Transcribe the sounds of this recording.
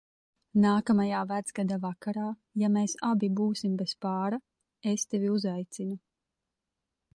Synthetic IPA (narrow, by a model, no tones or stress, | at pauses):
naːkamajaːvæd̪z̥ɡad̪avakaɾaːjameːsabibuːsimbespaːɾa | est̪eviuzajt̪sinu